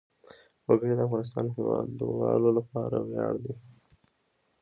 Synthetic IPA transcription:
waɡəɽed̪əafɣɑnɪs̬t̪ɑnɦewɑd̪ːəwɑlolapɑɾawjɑɽd̪i

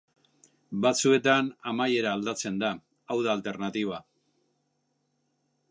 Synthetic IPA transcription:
bat͡sue̞t̪anamaje̞ɾaːld̪at͡se̞nd̪a | awðaːlt̪e̞ɾnat̪iβ̞a

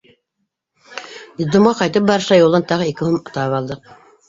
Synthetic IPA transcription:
d̪izd̪omʁɑqɑjt̪ɤp̚bɑɾɤ̆ʃlˠɑjulˠɤnt̪ɑʁɤikɘhumɑt̪ɑpɑlˠd̪ɤq̚

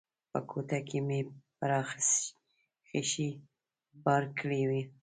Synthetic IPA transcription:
pəkʰot̪akemepəɾɑxs | xeʃi | bɑɾkɽewi

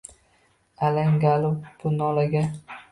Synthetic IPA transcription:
alaŋɡalʊpbʊnɒlaɡʲa

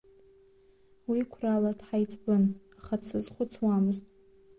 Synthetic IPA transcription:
wikʷʰraladħajt͡sʼbɨnaχat͡sʰɨzχʷʊt͡sʰwamɨztʼ

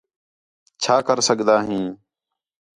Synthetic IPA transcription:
t͡ʃʰaːkəɾsəɠd̪aːɦĩː

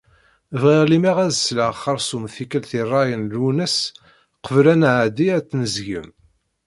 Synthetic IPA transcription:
vʁiʁlimiʁæzəsləʁχɑɾˤsumθikːəlθirˤːɑjənlunəs | qəvlænʕd̪iæt͡sːnəzʝə̰m

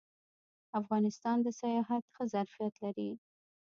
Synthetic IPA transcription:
afɣɑnɪst̪ɑnd̪əsajɑɦat̪xəzaɾfijat̪laɾi

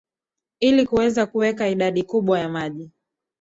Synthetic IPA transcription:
ilikuwɛzakuwɛkaiɗaɗikuɓwajamaʄi

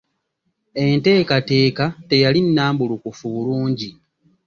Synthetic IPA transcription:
e̞nte̞ːkate̞ːkate̞jalinːaːmbulukufuβuluːɲɟi

